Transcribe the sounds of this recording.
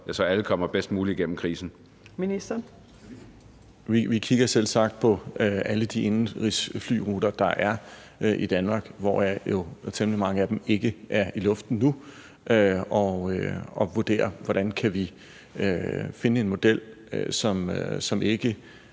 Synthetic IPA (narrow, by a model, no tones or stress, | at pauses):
jæsɒæləkʰɒ̽m̰ɐb̥esd̥muːliiɡ̥en̰m̩kʰʁiːsn̩ | minisd̥ɐ | ʋiʋikʰiɡ̥ɐsel̰sɑ̈ɡ̥̚d̥̚pʰɒ̽æləd̥ie̝nn̩ʁisfly̰ːʁuːd̥ɐd̥ɑ̈ʔæɐ | ʔid̥ænmɑ̈ːɡ̥ʋɒ̰jɑ̈jo̝t͡sʰemlimɑ̈ŋəæd̥eme̝ɡ̥əʔæɐilɔ̽fd̥n̩nu | ʔøɒøɒ̽ʋuɐd̥e̝̰ːɐʋɒɾ̥ænkʰæʋi | øfe̝nəe̝nmo̝d̥el̰sɒ̽msɒ̽me̝ɡ̥ə